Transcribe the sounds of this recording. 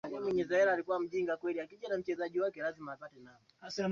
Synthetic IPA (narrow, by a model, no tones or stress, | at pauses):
aɛmwɛɲɛzɛhɛɾaːlikuwam̩ʄiŋɡakwɛliakiʄanam̩t͡ʃɛzaʄiwakɛlazimaːpatɛna | asa